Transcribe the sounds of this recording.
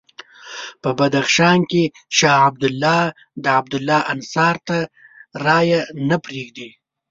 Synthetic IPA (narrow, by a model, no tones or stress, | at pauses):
pəbad̪axʃɑnke | ʃɑːhab̚d̪ʊlːɑ | d̪əab̚d̪ʊlːɑʔansɑɾt̪a | ɾɑjanapɾeɡd̪i